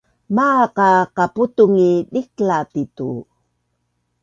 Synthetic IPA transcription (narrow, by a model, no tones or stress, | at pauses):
maqaqaputuŋidiklatitu